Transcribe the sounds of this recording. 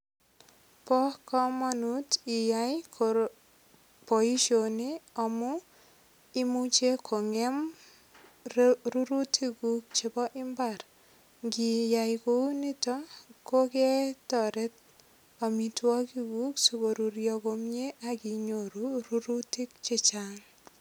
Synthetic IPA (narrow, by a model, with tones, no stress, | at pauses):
pɔ˦kɔ˦mɔ˦nuti˨jajko | po˨i˦ʃo˨niɔ˨mɔ | i˦mu˦t͡ʃe˦kʰo˨ŋɛ˦m | ru˦ɾu˦tʰi˦ku˦k̚t͡ʃe˨bɔ˦ʔɪ˦mba˨ɾ | ŋɡi˨ja˨jko˦ni˦tɔ˦ko˦kɛ˦tɔ˨ɾe˦t̚ | ɔ˨mi˨twɔ˦ki˦kuksu˨ko˨ɾu˨ɾjɔ˧komɲe˦ʔa˨ki˨ɲo˨ɾuru˦ɾuti˦kt͡ʃi˨t͡ʃaŋ